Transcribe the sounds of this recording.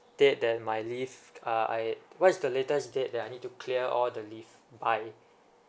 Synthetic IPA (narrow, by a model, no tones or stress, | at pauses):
d̥et̚dɛt̚majlifaa̰jwɔtisdəletəsdet̚dɛtajnit̚tːukʰliəʔɔldəlifbaɪ